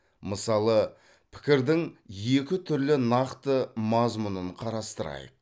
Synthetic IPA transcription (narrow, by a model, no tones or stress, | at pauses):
məsɑlˠə | pʰɪ̥kʲɪɾd̪ɪŋjekʲɪt̪ʰʏɾlɪnɑqt̪əmɑzmunəɴqʰɑɾɑst̪əɾɑ̰jə̰q̚